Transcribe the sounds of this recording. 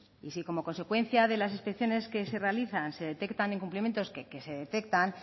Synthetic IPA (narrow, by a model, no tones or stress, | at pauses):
isiko̞mo̞ko̞nse̞kwe̞n̟θjaðe̞las̬ispe̞kθjo̞ne̞ske̞se̞re̞aliθanse̞ðe̞t̪e̞kt̪ane̞ŋkumplimje̞nt̪o̞skekese̞ðe̞t̪e̞k̚t̪an